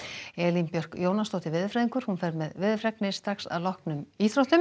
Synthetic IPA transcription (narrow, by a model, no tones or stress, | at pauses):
ɛːlimpjœr̥kjoːwnast̪ɔːht̪ɪvɪðfɾɛːðiŋkʏɾ̥hunfɛɾmɛðvɪðfɾɛknɪst̪ɾaxsa̰ðlɔhknʏmiːθɾowht̪ʏm